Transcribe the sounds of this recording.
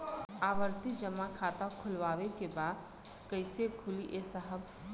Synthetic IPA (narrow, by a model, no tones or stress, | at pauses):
aːʋəɾt̪id͡ʒəmːakʰaːt̪akʰʊlʋaːʋekebaːd̪ | kəɪsekʰʊliʔesəɦəb